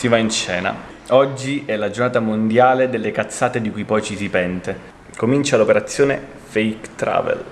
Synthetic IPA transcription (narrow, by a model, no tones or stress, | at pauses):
sivaint͡ʃɛːna̰ | ɔd͡ʒːiɛlad͡ʒornaːt̪amond̪jaːled̪elːekat̪sːaːt̪ed̪ikujpɔjt͡ʃisipɛnt̪e | komint͡ʃalopeɾat̪sːjoːne | fɛjkt̪ɾa̰ːvḛl